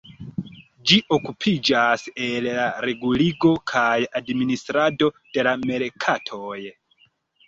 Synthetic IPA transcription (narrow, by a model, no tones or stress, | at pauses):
d͡ʒiʔo̞kupʰid͡ʒaselːaɾe̞ɡuliɡo̞kʰajadministɾado̞d̥e̞lame̞lkʰatʰo̞j